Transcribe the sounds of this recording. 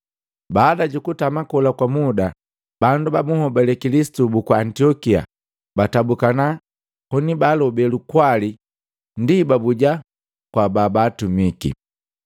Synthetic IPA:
baːdaɟukutamakɔlakwamuda | bandubamuhɔbɛlɛkilisi̥tubukwaːntiɔkia̰ | batabukana | hɔnibalɔbɛlukwali | ndibabuɟa | kwababaːtumikḭ

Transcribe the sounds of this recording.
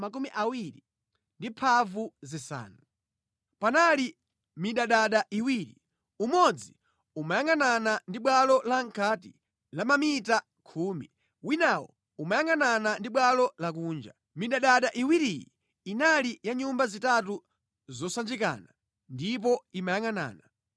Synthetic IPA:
mak̬umiʔawiɾi | ndipʰavuzisa̰ːnu | panali | miɗaɗaɗaʔiwiːɾḭ | umɔd͡zi | umajaŋɡananandiɓwalɔlaŋkʰati | lamamita | kʰuːmḭ | winawɔ̰ | umajaŋananandiɓwalɔlak̬uːnd͡ʒa̰ | miɗaɗaɗaʔiwiɾijḭ | inalijaɲumbazitatu | zɔsand͡ʒika̰ːna | ndip̬ɔimajaŋana̰ːna

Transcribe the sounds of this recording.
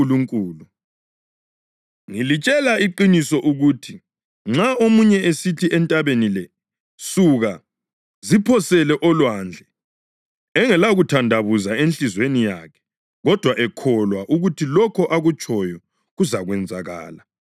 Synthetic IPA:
uluŋkʼuːlu | ŋilit͡ʃʼɛlaiǃinisɔʔuɣutʰi | ŋ͡ǁaomuɲɛesitʰiʔɛntʼaβenilɛ | suɣa | zipʰɔsɛlɛʔɔlwand͡ɮʱɛ | ɛŋɛlaɣutʰandʱaβuzaenɬizwenijakʰɛ̥ | ɣɔd̥ʱwaʔɛkʰɔlwaʔuɣutʰilɔkʰɔʔaɣut͡ʃʼɔjɔ | ɣuzaɣwɛnd͡zʱaɣa̰ːla

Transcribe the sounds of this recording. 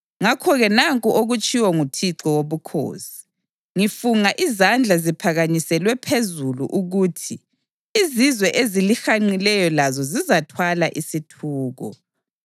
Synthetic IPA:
ŋakʰɔɣɛnaŋkʼuʔoɣut͡ʃʼiwɔŋutʰiǁɔwoβukʰo̰ːsi̥ | ŋifuŋaʔizand͡ɮʱazipʰaɣaɲisɛlwɛpʰezulṵʔuɣuːtʰiː | zizwɛʔezilixaŋ͡ǀilɛjɔlazɔzizatʰwalaʔisitʰuːɣɔ̰

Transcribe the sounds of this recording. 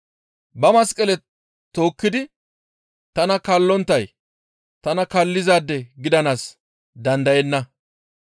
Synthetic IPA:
bɐmɐskʼːɛlɛ | t̪o̞ːkːɪd̪ɪ | t̪ɐnɐkɐlːɔnt̪ːɐj | t̪ɐnɐkɐlːɪzaːd̪ːɛɡɪd̪ɐnaːs | d̪ɐnd̪ɐjɛnːɐ

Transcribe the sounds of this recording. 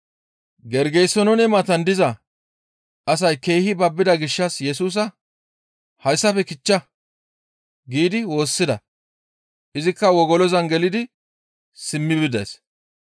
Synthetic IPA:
ɡɛɾɡɛjsːɔnɔnɛmɐt̪ɐnd̪ɪzɐ | ɐsɐjke̞ːhɪbɐbːɪd̪ɐɡɪʃːɐsjɛs̬uːs̬ɐ | hɐjsːɐfɛkɪt͡ʃːɐ | ɡiːd̪ɪwo̞ːsːɪd̪ɐ̰ | ʔɪzɪkːɐwɔɡɔlɔzɐnɡɛlɪd̪ɪ | sɪmːɪbɪd̪ɐ̰js

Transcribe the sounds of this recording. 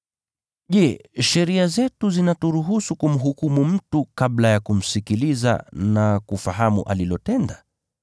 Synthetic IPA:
ʄɛʃɛɾiazɛtuzinatuɾuɦusukum̩ɦukumum̩tukablajakum̩sikiliza̰nakufaɦamṵʔa̰lilɔtɛnda

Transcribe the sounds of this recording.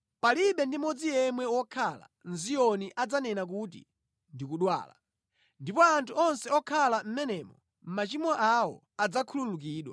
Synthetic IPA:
paliɓɛndimɔd͡zijɛmwɛwɔkʰala̰nzijɔniʔad͡zanɛnak̬ut̬ḭ | ndikuɗwa̰ːla̰ | ndipɔantʰuɔnsɛɔkʰalam̩mɛnɛːmɔ | m̩mat͡ʃimwaʔawɔ̰ | ad͡zakʰululuk̬iːɗwa̰

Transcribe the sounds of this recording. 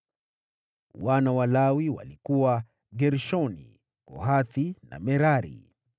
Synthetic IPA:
wanawalawiwa̰likuwa | ɡɛɾʃɔnḭ | kɔ̰ɦaθina̰mɛɾaɾḭ

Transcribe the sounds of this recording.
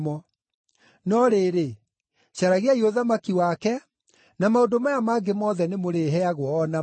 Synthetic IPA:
mɔ | nɔɾeːɾe | ɕaɾaɣeaioðamakiwakɛ | namaodomajamaːɡemɔðɛnemoɾeɦɛaɣwɔːna

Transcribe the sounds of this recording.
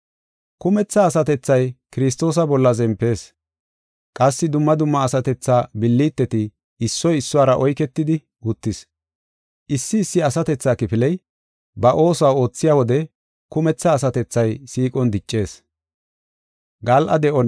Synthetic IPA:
kʊmɛt͡sːɐːsɐt̪ɛt͡sːɐjkɪɾɪs̬t̪o̞ːs̬ɐbɔlːɐzɛmpːe̞ːs | kʼɐsːɪd̪ʊmːɐd̪ʊmːɐːsɐt̪ɛt͡sːaːbɪlːiːt̪ːɛt̪ɪ | ɪsːɔjɪsːʊwaːɾɐʔɔjkɛt̪ːɪd̪ɪ | ʊt̪ːɪs | ʔɪsːɪːsːɪɐsɐt̪ɛt͡sːaːkɪpɪlɛj | bɐʔo̞ːsʊaːo̞ːt͡sːɪjaːwɔd̪ɛ | kʊmɛt͡sːɐːsɐt̪ɛt͡sːɐjsiːkʼɔnd̪ɪt͡ʃʼːe̞ːs | ɡɐlʔɐd̪ɛʔɔn

